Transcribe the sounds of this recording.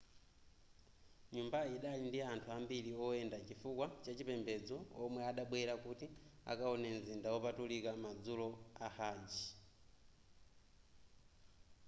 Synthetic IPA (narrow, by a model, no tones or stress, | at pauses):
ɲumbaiɗaindiantʰuambiɾiɔɛndat͡ʃifukwat͡ʃat͡ʃipɛmbɛd͡zɔɔmwɛaɗaɓwɛɾakutia̰kaɔnɛnzindawɔpatulikamad͡zulɔahaːd͡ʒi